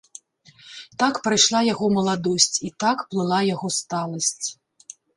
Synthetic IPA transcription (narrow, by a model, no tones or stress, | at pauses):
t̪akpɾajʂlˠajaɣɔmɐlˠad̪ɔsʲt͡sʲit̪akplˠɨlˠajaɣɔst̪alˠɐsʲt͡sʲ